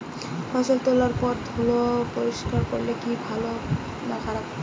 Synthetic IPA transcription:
fɔjsɔlt̪olaɹpɔtd̪ʱulopoɹiskaɹkoɹilekibʱalo | nakʰaɹap

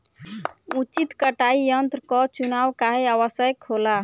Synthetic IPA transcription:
ut͡ʃit̪kəʈaijʌnt̪ɾəkɔt͡ʃunawkaɦeawəsəjkhola

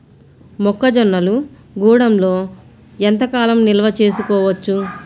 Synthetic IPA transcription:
mɔkːɐd͡ʒɔnːɐlu | ɡuːɽɐmlo̞ː | ent̪ɐkaːlɐmnilɐʋɐt͡ʃe̞ːsukɔːʋɐt͡ʃːu

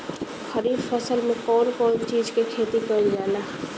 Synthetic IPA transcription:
xɐɾiːbfɐsəlmẽkɔːnkɔːnt͡ʃiːzkekʰeːt̪ikɐld͡ʒaːnlaː

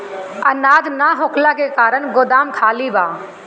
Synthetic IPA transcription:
ɐnaːd̪naɦokʰlakekaːɾəñɡʊd̪aːmkʰaːliʋaː

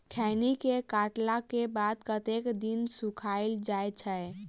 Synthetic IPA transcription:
kʰɛnikekaʈlakebad̪kət̪ekd̪insukʰaɪld͡ʒajt͡ʃʰə

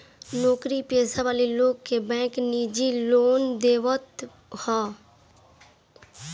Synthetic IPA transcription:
nɔːkɾipeːsaʋaːliloːɡkebɛ̃ːkniːd͡ʒiloːnd̪eːʋət̪ | hɛ̃ː

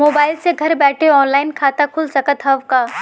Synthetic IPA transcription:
moːbaːɪlseɡʱɐɾbɛːʈʰeɔːnlaːɪnkʰaːt̪akʰʊlsɐkət̪ɦɐʋkaː

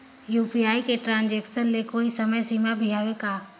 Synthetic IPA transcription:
juːpiaːikeʈɾãːnd͡ʒeːksənlekoːisɐməjsiːmabʱiɦaːʋekaː

